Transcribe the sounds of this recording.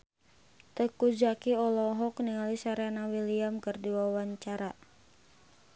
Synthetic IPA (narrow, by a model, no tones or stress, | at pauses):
t̪əkud͡ʒakiɔlɔɦɔkniŋalisaɾenawiliamkɨrdiwawaɲt͡ʃaɾa